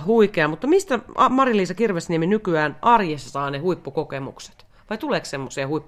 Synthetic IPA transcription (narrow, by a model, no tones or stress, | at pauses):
huikeɑmut̪ːɑmist̪æɑmɑrjɑliːsɑkirʋesnieminykyæːnʔɑrjesɑsɑːnehuipːukokemṵkse̥t̪ | ʋɑit̪uleːkssemːosiɑhuipːu